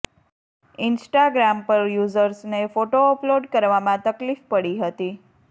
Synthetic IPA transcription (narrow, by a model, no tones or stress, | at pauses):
ɪnsʈaɡɾampəɾjuzəɾsnefoʈoɔploɖkəɾʋamãt̪əklifpəɽiɦət̪i